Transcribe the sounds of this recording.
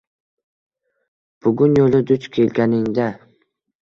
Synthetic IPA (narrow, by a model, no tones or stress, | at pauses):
b̥ʊɡʲʊnjolɪd̪ʊt͡ʃkʲʰe̞lɡʲanɪŋd̪a